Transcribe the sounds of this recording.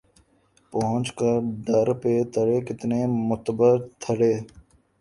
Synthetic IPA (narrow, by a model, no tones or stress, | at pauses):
pɐɦʊ̃t͡ʃkəɾɖɐɾpet̪ʰəɽeːkɪt̪nemʊt̪bəɾt̪ʰəɽeː